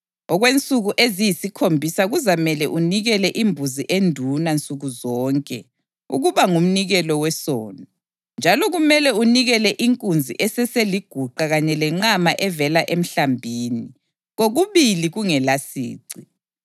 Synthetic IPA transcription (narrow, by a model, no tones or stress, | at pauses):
ɔɣwent͡sʼuɣuʔezijisikʰombʱisaɣuzamɛlɛʔuniɣɛlɛʔimbʱuziʔendʱunant͡sʼuɣuzɔːŋkʼɛ | ṵɣuβaŋum̩niɣɛlɔwɛsɔːnɔ | nd͡ʒʱalɔɣumɛlɛuniɣɛlɛʔiŋkʼund͡zʱḭʔɛsɛseliɡ̥ʱuǃaɣaɲɛlɛŋ͡ǁamaʔɛvɛlaʔem̩ɬambʱiːni | ɣoɣuβiliɣuŋɛlasḭːǀi